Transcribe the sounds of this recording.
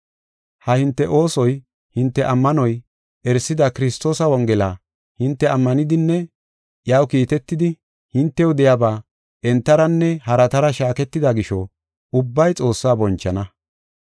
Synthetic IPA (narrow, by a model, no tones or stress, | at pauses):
hɐhɪnt̪ːɛʔo̞ːsɔj | hɪnt̪ːɛʔɐmːɐnɔj | ɛɾsɪd̪ɐkɪɾɪst̪o̞ːsɐwɔŋɡɛla | hɪnt̪ːɛɐmːɐnɪd̪ɪnːɛ | jaːwkiːt̪ɛt̪ːɪd̪ɪ | hɪnt̪ːɛwd̪ɛjɐbaː | ʔɛnt̪ːɐɾɐnːɛhɐɾɐt̪ɐɾɐʃaːkɛt̪ːɪd̪ɐɡɪʃɔ | ʊbːɐjt͡sʼo̞ːsːaːbɔnt͡ʃːɐnɐ